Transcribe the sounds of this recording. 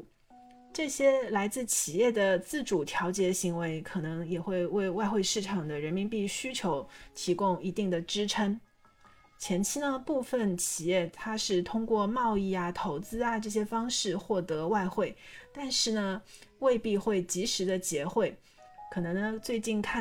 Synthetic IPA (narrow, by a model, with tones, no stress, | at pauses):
ʈ͡ʂɤ˥˩ɕjɛ˥la˧˥ɪt͡sɹ̩˥˩t͡ɕʰi˨˩jɛ˥˩d̪ə˩t͡sɹ̩˥˩ʈ͡ʂu˨˩t̪ʰjɑ˧˥ʊt͡ɕjɛ˧˥ɕi˧˥ŋwe˧˥ɪkʰɤ˨˩nɤ˧˥ŋjɛ˨˩xwe˥˧ɪwe˥˧ɪwa˥˧ɪxwe˥˧ɪʂɻ̩˥˩ʈ͡ʂʰɑ˨˩ŋd̪ə˦ɻə˧˥nmi˧˥npi˥˩ɕy˥t͡ɕʰjo˧˥ʊt̪ʰi˧˥kʊ˥ŋi˧˥t̪i˥˩ŋd̪ə˩ʈ͡ʂɻ̩˥ʈ͡ʂʰə˥ŋ | t͡ɕʰjɛ˧˥nt͡ɕʰi˥d̪ə˧pu˥˩fə˨˩nt͡ɕʰi˨˩jɛ˥˩t̪ʰa˥ʂɻ̩˥˩t̪ʰʊ˥ŋkwɔ˥˧mɑ˥˧ʊi˥˩ɐ˩t̪ʰo˧˥ʊt͡sɹ̩˥a˨ʈ͡ʂɤ˥˩ɕ̬jɛ˥fɑ˥ŋʂɻ̩˥˧xwɔ˥˩t̪ɤ˧˥wa˥˧ɪxwe˥˩ɪt̪a˥˧nʂɻ̩˥˩nə˩we˥˧ɪpi˥˧xwe˥˩ɪt͡ɕi˧˥ʂɻ̩˧˥d̪ə˧t͡ɕjɛ˧˥xwe˥˩ɪ | kʰɤ˨˩nɤ˧˥ŋnə˧t͡swe˥˧ɪt͡ɕi˥˧nkʰa˥˩